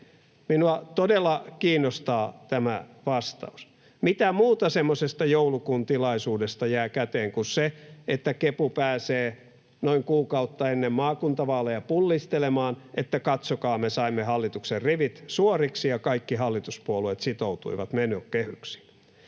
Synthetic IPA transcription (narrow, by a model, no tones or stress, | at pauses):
minuɑt̪odelːɑkiːnːost̪ɑːt̪æmæʋɑst̪ɑ̰us | mit̪æmuːt̪ɑsemːosest̪ɑjoulukunt̪ilɑisuːdest̪ɑjæːkæt̪eːŋkuseet̪ːækepupæːseː | noiŋkuːkɑut̪ːɑenːemmɑːkunt̪ɑʋɑːlːejɑpulːist̪elemɑːnʔet̪ːækɑt̪sokɑːmesɑimːehɑlːit̪ukserriʋit̪suoriksijɑkɑikːihɑlːit̪uspuolueːˑt̪sit̪out̪ṵiʋɑ̰t̪menøːkkehyksi̥